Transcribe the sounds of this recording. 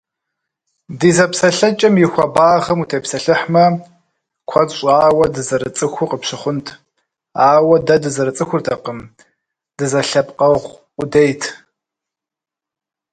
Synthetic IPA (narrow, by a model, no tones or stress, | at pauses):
diːzɐpsɐɬɐt͡ʃʼɐmjɪxʷɐbaːʁɐmutʰeːpsɐɬɨħmɐ | kʷʰɐɕʷʼaːwɐdɨzɐɾɨt͡sʼɨxʷʊqəpɕɪχʷʊntʰ | aːwɐdɐdɨzɐɾɨt͡sʼɨxʷʊrtʰɐqəm | d̥ɨzɐɬɐpʼqɐʁʷ | ʊdejtʰ